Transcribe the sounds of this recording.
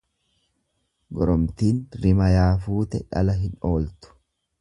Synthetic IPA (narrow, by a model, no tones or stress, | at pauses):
ɡɔɾɔmt̪iːnɾɪmɐjaːfuːt̪ɛᶑɐ̰lɐɦɪno̞ːlt̪ʊ̥